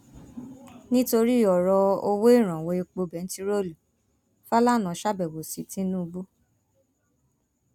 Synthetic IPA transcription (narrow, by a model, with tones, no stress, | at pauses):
nĩ˦to˧ɾi˦˨ɔ˨ɾɔ˧o˧wo˦i˦˨ɾ̃ã˨we˧e˧k͡po˧bɛ˨˦n̩˦ti˧ɾo˦lu˨ | fa˦la˦˨nã˨˦ʃa˦bɛ˨wo˨si˨tĩ˦nũ˦u˧bu˦